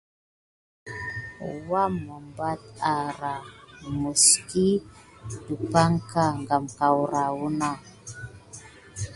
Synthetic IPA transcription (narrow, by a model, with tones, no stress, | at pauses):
wa˦mɔ˨mba˦t̪̚a˨ɾa˨mu˨ski˦du˨pa˦ŋka˦ŋɡa˨mka˨wɾa˨wu˦na˦